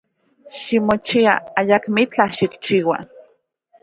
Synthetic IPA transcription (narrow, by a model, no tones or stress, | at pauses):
ʃimot͡ʃia̰ajakmit͡ɬaʃikt͡ʃiːwa̰